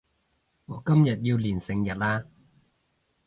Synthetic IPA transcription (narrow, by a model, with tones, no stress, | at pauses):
ŋɔː˨˩kɐ˥mjɐ˨t̚jiː˧wliː˨˩nsɪ˧ŋjɐ˨t̚laː˥